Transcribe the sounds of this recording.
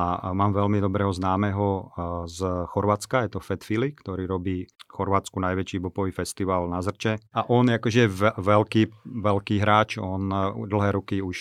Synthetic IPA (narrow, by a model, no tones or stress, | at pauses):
amaːmʋɛlmid̪ɔbɾɛːɦɔznaːmɛɦɔzxɔɾʋat͡skajɛt̪ɔfɛt̪filikt̪ɔɾiːɾɔbiːxɔɾʋaːt͡skunajʋɛt͡ʃiːbɔpɔʋiːfɛst̪iʋaːlnazr̩t͡ʃɛaʔɔnɛakɔʒɛjɛʋɛʋɛlkiːʋɛlkiːɦɾaːt͡ʃɔnd̪l̩ɦɛːɾukiuʃ